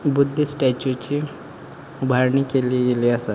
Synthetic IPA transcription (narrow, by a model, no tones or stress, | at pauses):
bʊd̪ʱːisʈɛt͡ʃut͡ʃi | ʊbʱaɾnikelieɡeliasa